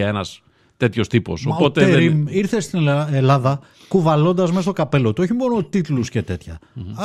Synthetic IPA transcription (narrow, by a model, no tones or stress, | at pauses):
ɐe̞nɐs | t̪e̞t̪ço̞st̪ipo̞̰sopo̞t̪eeɾimiɾθest̪inelɐðɐ | kuvɐlo̞nd̪ɐzmes̬t̪o̞kɐpe̞lo̞t̪uo̞çimo̞no̞t̪it̪luscet̪e̞t̪çɐ